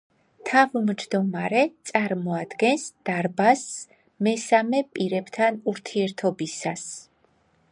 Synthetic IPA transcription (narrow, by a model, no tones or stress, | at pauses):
t̪ʰavmd͡ʒd̪ɔmaɾɛt̪sʼaɾmɔad̪̥ɡɛnsd̪̥aɾbas | mɛsamɛpʼiɾɛbt̪ʰanuɾt̪ʰiɛɾt̪ʰɔbisas